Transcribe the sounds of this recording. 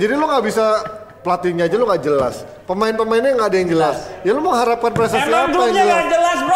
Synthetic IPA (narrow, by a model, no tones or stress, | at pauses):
d͡ʒadiloŋɡaʔbisa | pəlat̪iɲaːd͡ʒalʊŋɡaʔd͡ʒəla̰s | pəmaɪnpəmaɪnɲaŋɡaːdajaŋd͡ʒəlasjaloməŋɦaɾap̚kanpɾesəiapajaŋd͡ʒəlaəl